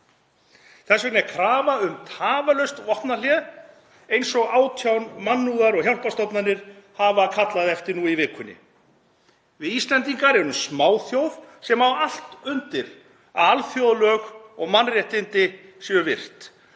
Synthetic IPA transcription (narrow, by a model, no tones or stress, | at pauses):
θɛsvɛknɛɾkʰɾaːvaʏmt̪ʰaːvalœɥst̪vɔht̪nalɛð | ejnsɔɣaːwt̪ʰjawnmanːuɣaɾɔɣçjawl̥past̪ɔpnanɪɾ̥havakʰat̪laðɛft̪ɪɾnuivɪːkʰʏnːɪ̰ | vɪðist̪lɛnt̪iŋkaɾɛɾʏmsmaːwθjowðsɛmawal̥t̪ʏnt̪ɪɾ | a̰ðalθjowðlœːɣɔɣmanrjɛht̪ɪnt̪ɪsɛʏvɪr̥t̪